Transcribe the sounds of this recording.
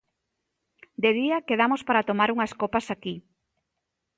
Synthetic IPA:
d̪eðiɐkeð̞amospaɾat̪omaɾuŋɐskopɐsaki

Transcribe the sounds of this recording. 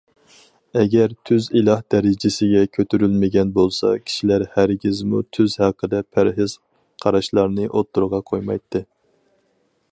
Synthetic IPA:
ɛɡʲɛɾt̪ʰyzilˠɑhd̪̥ɛɾɪd͡ʒɪsɪɡʲɛkʲʰøt̪ʰyɾylmɪɡʲɛnbolˠsɑ̰kʲʰi̥ʃilæɾhæɾɡʲizmut̪ʰyzhæqʰəd̪ɛpʰæɾɦɪz̥ | qʰɑɾɑʃlˠɑɾnɨʔot̪ʰːuɾʁɑqʰojmɑ̰jt̪ʰːɨ

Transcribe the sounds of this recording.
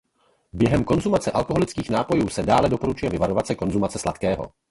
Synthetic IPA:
bjɛɦɛmko̞nzumat͡sɛʔalkoɦo̞lɪt͡skiːxnaːpo̞juːsɛdaːlɛdo̞po̞ɾut͡ʃujɛvɪvaɾo̞vasɛko̞nzumat͡sɛslat̪kɛːɦo̞̰

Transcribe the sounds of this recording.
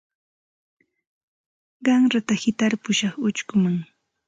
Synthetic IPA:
ɢɑŋɾat̪ahɪt̪aɾpʊʃɑχʊt͡ʃkʊmaŋ

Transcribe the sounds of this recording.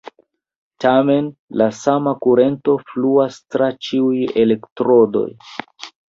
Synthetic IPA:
tame̞nlasamakuɾe̞nto̞fluastɾat͡ʃiuje̞le̞ktɾo̞do̞̰j

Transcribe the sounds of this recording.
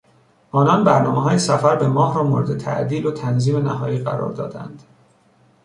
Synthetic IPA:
ʔɒːnɒnbæɾnɒːmeɦɒːjesæfæɾbe̞mɒːɦɾɒːmoːɾed̪et̪ʰæ̰ʔd̪iːlot̪ʰænziːme̞næhɒːjiːɢæ̰ɾɒ̰ːɾd̪ɒ̰ːd̪æ̰nd̪̥

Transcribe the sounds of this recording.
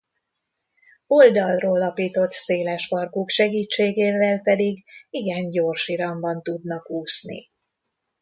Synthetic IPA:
o̞ld̪ɒlroːlɒpiːt̪o̞t̪seːlɛʃpɒrkuːkʃɛɡiːt͡ʃːeːɡeːvɛlpɛd̪iɡiɡɛɲɟoːrʃiɾɒmbɒnt̪ud̪nɒkhuːsnḭ

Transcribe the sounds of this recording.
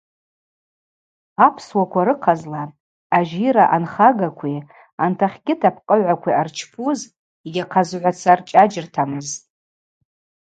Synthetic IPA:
apʰswakʷʰaɾɨqʰazla | aʒiɾaʔanχaɡakʷʰi | antʰaχʲɡʲɪtʰapʰqʼəʕʷakʷʰiart͡ʃʰpʰuz | iɡʲaqʰazʕʷat͡sʰart͡ʃʼad͡ʒɪrtʰamɨz

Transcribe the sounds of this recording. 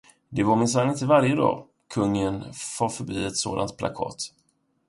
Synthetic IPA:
d̪ɛvaɾmɪns̬anːɪnt̪əvaɾjəd̪ɑ̰ː | kʰɵŋːənfɑːɾfœbiːɛt̪so̰ːd̪a̰nt̪̚pʰla̰kʰɑ̰ːt̪

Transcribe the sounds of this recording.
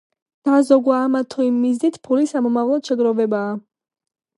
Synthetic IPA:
d̪̥azɔɡwaːmat̪ʰɔimːiznit̪ʰpʰulisamɔmavlˠɔt̪ʃɛɡɾɔvɛbaː

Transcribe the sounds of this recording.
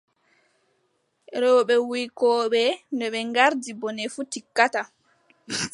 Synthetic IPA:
ɾɔwɓɛwujkɔɓɛndɛɓɛŋɡaɾdibɔnɛfutikːata

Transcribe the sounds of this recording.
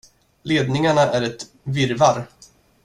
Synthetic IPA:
leːd̪nɪŋaɳaʔæɾɛt̪ | vɪɾvaɾ

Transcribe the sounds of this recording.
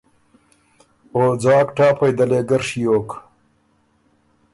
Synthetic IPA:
oːd͡zɑːkʈaːpɐjd̪ɐleːɡɐɾʂijoːk

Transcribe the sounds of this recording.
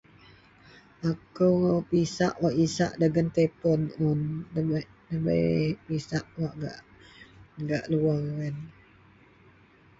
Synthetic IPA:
ʔakəwŋawpisaʔwaʔisa̰ʔdəɡənt̪epɔnun | ləbə̰pisaʔwaʔɡa̰ʔ | ɡaʔluawən

